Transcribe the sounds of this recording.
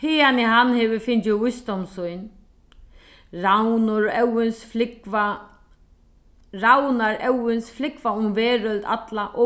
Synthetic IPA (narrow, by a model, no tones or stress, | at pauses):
hɪːaniɦanhɛːʋɪfɪnt͡ʃvʊjsd̪ɔmsʊjn | ɾawnʊɾɛwɪnsflɪkva | ɾawnaɾʔɛwɪnsflɪkvaʊmvɛːɾœlt̪a̰t̪laʔɔ